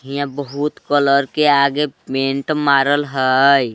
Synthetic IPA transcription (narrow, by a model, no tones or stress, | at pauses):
ɦijãbəɦut̪kələɾkeaɡepẽɳʈmaːɾəlɦəj